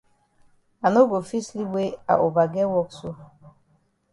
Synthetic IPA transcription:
a˨no˦ɡo˨fi˦sli˦be˦a̰˨ʔo˨ba˨ɡɛ˦wɔ˦kso˦

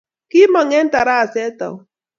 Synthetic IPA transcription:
ki˦mɔ˨ŋɛ˦n̩˦ta˨ɾa˦a˨sɛ˦tɔ̰˨˦

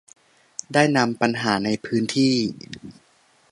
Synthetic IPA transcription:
daː˥˩jna˧mpa˧nɦaː˩˦na˧jpʰɯː˦˥nt̪ʰiː˥˩

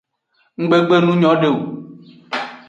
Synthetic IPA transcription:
ŋ̩˦ɡ͡be˦ɡ͡be˦nũ˦ɲɔ̃˨˦ɖe˦o˨

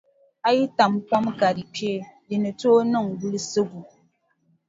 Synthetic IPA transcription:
a˦ji˦ta˨mkʷa˦mka˨ɾi˨pje˦li˨nɨ˨to˦nɨ˦˨ŋɡu˦lsɨ˦ɡu˨

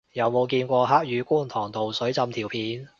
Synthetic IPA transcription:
jɐ˨˧wmo˨˧wkiː˧nkʷɔː˧ɦaː˥k̚jyː˨˧kuː˥˩nt̪ʰɔː˨˩ŋt̪o˨wsɵ˨˥ɥt͡sɐ˧mt̪ʰiː˨˩wpʰiː˨˥n

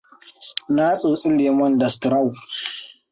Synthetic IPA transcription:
na˦sʼoː˨sʼɪ˦leː˨mɔ˦ndɐ˨stɾa˦˨w

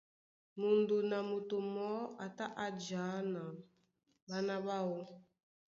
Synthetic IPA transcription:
mu˨ndu˨na˨mu˨tu˨mɔ˦a˨ta˦ʔa˨d͡ʒa˨˦na˨ | ɓa˦na˦βa˦wɔ˦

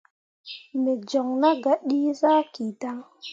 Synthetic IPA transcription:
me˨d͡ʒo˨ŋna˦ɡa˨ɗi˦za˦ki˨ta˦ŋ

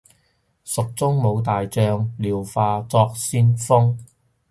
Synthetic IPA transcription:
sʊ˨k̚t͡sʊ˥ŋmo˨˧wt̪aː˨jt͡sœː˧ŋliː˨wfaː˧t͡sɔː˧k̚siː˥nfʊ˥ŋ

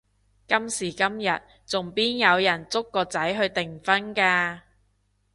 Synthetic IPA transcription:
kɐ˥msiː˨˩kɐ˥mjɐ˨t̚ | t͡sʊ˨˩ŋpiː˥njɐ˨˧wjɐ˨˩nt͡sʊ˥kːɔː˧t͡sɐ˨˥jɦɵ˧ɥt̪ɪ˨˩ŋfɐ˥nkaː˧

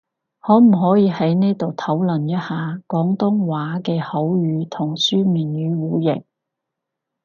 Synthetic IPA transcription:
hɔː˨˥m̩˨˩ɦɔː˨˥jiː˨˧hɐ˨˥jne˥jt̪o˨wt̪ʰɐ˨˥wlɐ˨˩njɐ˥t̚haː˨kɔː˨˥ŋt̪ʊ˥ŋwaː˨˥kɛː˧hɐ˨˥wjyː˨˧t̪ʰʊ˨˩ŋsyː˥miː˨njyː˨˥wuː˨jɪ̰˨˩k̚

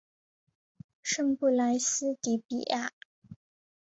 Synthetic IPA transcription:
ʂə˥˧ŋpu˥˩la˧˥ɪs̩˥t̪i˧˥pḭ˨˩a˥˩

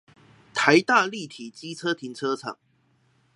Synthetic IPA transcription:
t̪ʰa˨˦ɪt̪a˥˧li˥˨˩t̪ʰi˨˩t͡ɕi˥t͡sʰɤ˥t̪ʰi˧˥ŋt͡sʰɤ˥t͡sʰə̰˨˩˦ŋ

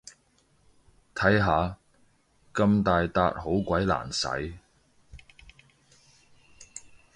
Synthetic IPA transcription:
t̪ʰɐ˨˥jɦaː˨˧ | kɐ˧mt̪aː˨jt̪aː˧t̚ho˨˥wkʷɐ˨˥jla̰ː˨˩nsɐ̰˨˥j

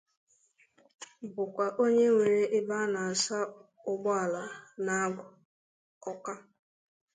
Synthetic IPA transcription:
bʊ˨kʷa˨ʔo˦ɲe˦ŋʷe˨ɾe˦ʔɪ˦ba˦na˨a˨sa˦ | ʊ˦ɡ͡bʊ˦a˨la˨na˦a˦ɡʷʊ˨ | ɔ˦ka˦

